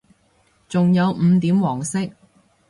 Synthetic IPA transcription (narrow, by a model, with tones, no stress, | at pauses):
t͡sʊ˨ŋjɐ˨˧wm̩ː˨˧t̪iː˨˥mwɔː˨˩ŋsɪ˥k̚